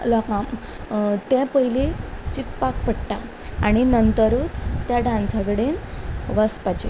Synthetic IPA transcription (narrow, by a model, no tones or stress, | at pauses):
lɔkam | t̪ɛ̃pəɦilet͡ɕit̪pak̚pəɽʈa | aɽ̃inənt̪əɾut͡st̪jaɖãnsaɡɽenʋaspat͡ɕḛ